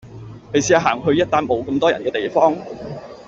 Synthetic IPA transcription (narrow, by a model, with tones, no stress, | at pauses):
ne˨˧jsiː˨˥a˨˩ɦaː˨˩ŋɦɵ˧ɥjɐ˥t̚t̪aː˥nmo˨˧wkɐ˧mt̪ɔː˥jɐ̰˨˩nkɛː˧t̪e˨jfɔː˥ŋ